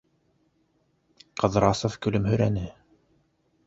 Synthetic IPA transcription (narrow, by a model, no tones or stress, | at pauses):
qʰɤ̆ðɾɑsofkɵ̆lɵmhɵ̆ɾænɘ